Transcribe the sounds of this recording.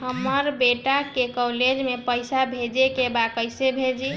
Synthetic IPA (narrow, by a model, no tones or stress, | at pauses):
ɦəməɾbeʈakekɔled͡ʒmepəɪsabʱed͡ʒekebakəjsebʱed͡ʒi